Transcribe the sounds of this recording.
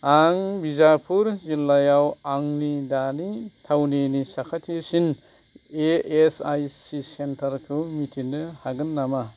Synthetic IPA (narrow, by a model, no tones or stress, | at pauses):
aŋbizapʰuɾzilːajawaŋnidanitʰawnenisakʰatʰisin | eesajsisentʰɐɾkʰɯwmitʰinnɯhaɡɯnːama